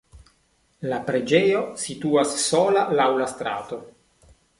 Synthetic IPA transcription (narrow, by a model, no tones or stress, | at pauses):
lapɾed͡ʒeosit̪uasːolalawlast̪ɾa̰ːt̪o